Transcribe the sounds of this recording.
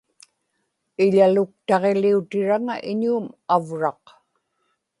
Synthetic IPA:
ɪʎalʊk̚t̪ɑʁe̞liut̪ɪɻaŋaʔɪɲuːmavɻɑq

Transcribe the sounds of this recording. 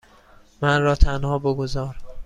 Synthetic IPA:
mænɾɒːt̪ʰænhɒːboɡozɒːɾ

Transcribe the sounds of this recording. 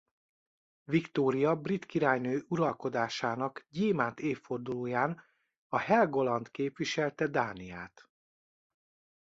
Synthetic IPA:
vikt̪oːɾijɒbrit̪kiɾaːjnøːʔuɾɒlko̞d̪aːʃaːnɒkɟiːmaːnt̪eːfːo̞rd̪uloːjaːn | ɒhɛlɡo̞lɒnt̪keːpʋiʃɛlt̪ɛd̪aːnijaːt̪

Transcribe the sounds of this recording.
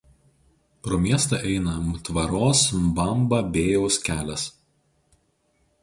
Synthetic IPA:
pɾoːmʲiɛst̪ɐˑʔɛɪnɐt̪ʋɐɾoːsbɐmbɐbʲeːjoʊskʲæːlʲɛs

